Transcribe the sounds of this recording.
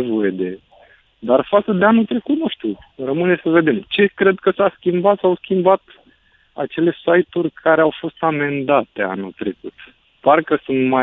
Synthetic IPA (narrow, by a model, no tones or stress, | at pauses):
vo̞je̞d̪e̞ | d̪arfat̪səd̪e̞anult̪ɾe̞kut̪nuʃt̪urəmɨne̞səve̞d̪e̞mt͡ʃe̞kɾe̞d̪̚kəsaskʲimbat̪sawskʲimbat̪ | a̰t͡ʃe̞le̞sajt̪urʲkʰaɾeawfo̞st̪ame̞nd̪at̪e̞a̰nult̪ɾe̞kut̪ | parkəsunt̪ma